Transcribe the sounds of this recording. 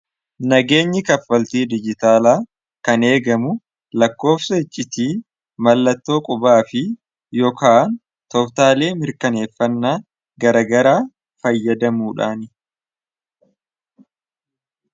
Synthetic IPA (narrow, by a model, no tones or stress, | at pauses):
nɐɡe̞ːɲːɪkɐfːɐlt̪iːd̪ɪd͡ʒɪt̪aːlaː | kɐne̞ːɡɐmʊ | lɐkːo̞ːfsɐɪt͡ʃʼːɪt̪iː | mɐlːɐt̪ːo̞ːkʼʊbaːfɪ | jɔːkaːn | t̪ɔbt̪aːle̞ːmɪɾkɐne̞ːfːɐnːaː | ɡɐɾɐɡɐɾaː | fɐjːɐd̪ɐmuːᶑaːnɪ